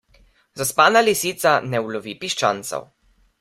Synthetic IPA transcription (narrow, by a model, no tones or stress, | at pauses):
zaspaːnalisit̪sanɛwlɔvipiʃt͡ʃa̰nt̪sɔ̰w